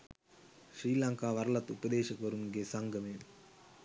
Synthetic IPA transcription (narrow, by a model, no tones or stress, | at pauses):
ʂɾiːlaŋkaːʋɐɾɐlɐt̪ːʊpɐd̪eːʃɐkːʋɐɾɯmɡeːsɐŋɡɐmeː